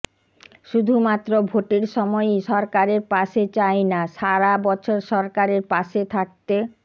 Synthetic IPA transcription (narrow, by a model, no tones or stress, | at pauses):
ʃud̪ʱumat̪ːɾobʱoʈiɾʃɔmɔjʃɔɾkaɾeɾpaʃet͡ɕajnaʃaɾabɔt͡ɕʰoɾʃɔɾkaɾeɾpaʃet̪ʰak̚t̪e